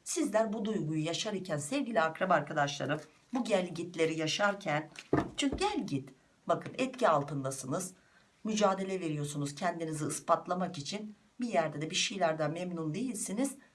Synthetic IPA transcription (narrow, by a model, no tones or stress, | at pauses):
sizlʲæɾbud̪ujɡujujaʃaɾicʰænsɛvɟilʲiakɾabaɾkʰad̪aʃlˠa̰ɾɯm | buɟælʲɟit̪lʲe̞ɾijaʃaɾcʰænt͡ʃʰyɲcyɟælʲɟit̪ | bakʰɯnɛt̪cialˠt̪ʰɯnd̪asɯnɯz | myd͡ʒaːd̪e̞lʲɛve̞ɾijo̞sunuz̥cʰɛnd̪iniziɯspat̪lˠamakit͡ʃʰin | bijæɾd̪ɛd̪ɛbiʃejlʲæɾd̪amɛmnund̪e̞jilʲsiniz̥